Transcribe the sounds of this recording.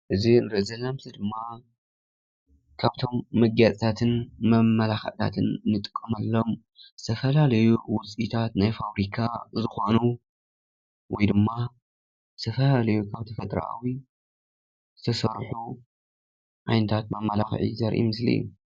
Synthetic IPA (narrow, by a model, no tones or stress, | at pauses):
ʔɨzinɾɐzɐnamsid̪ɨmːa | kʰaβt̪ʰo̞mːɐɡjat͡sʼt̪ʰat̪ʰɨnmɐmːɐlaxɐ̰ʕt̪ʰa̰t̪ʰɨnːɨt̪ʼɨ̥kʼːɐmalːo̞m | z̥ɨt̪ʰɐfɐlalɐjuwʊt͡sʼit̪ʰat̪najfaβɾikʰazɨxonu | wɔjd̪ɨmːa | zɨt̪ʰɐfɐlalɐjukʰaβt̪ʰifɐt̪ʼɾa̰ʔa̰wi | zɨt̪ʰɐsɐɾħu | ʕajnɐt̪ʰat̪mɐmːɐlaxʕḭzɐɾʔḭmɨslḭṵ